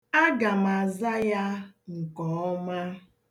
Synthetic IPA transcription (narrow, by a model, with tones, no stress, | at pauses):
a˦ɡa˨ma˨za˦ja˦ŋ̩˨kɔ˨ɔ˦ma˦